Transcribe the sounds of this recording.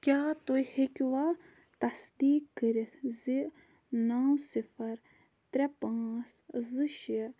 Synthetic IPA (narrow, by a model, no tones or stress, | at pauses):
kʲaːt̪ojhekʲʋaː | t̪ɐsd̪iːkːəɾit̪ʰzi | nawsifɐɾ | t̪ɾɛpãːszɨʃ